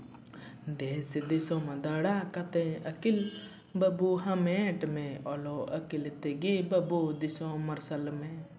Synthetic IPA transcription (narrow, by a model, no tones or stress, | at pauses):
d̪eːsd̪isõmẽd̪ɐɽakɐt̪ẽɐkil | bɐbuɦɐmẽːʈmẽɔloːɐkilt̪eɡibɐbud̪isõːmɐɾsɐlmẽ